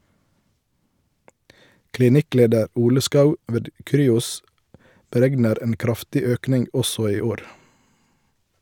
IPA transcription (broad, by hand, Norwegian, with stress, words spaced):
klɪˈnɪˌkleːdəɾ ˈuːlə ˈskɑʉ ˈʋeːd ˈkɾyːʊs bəˈɾɛɡnəɾ ˈeːn ˈkɾɑftɪ ˈøːknɪŋɡ ˈɔsɔ ˈiː ˈoːɾ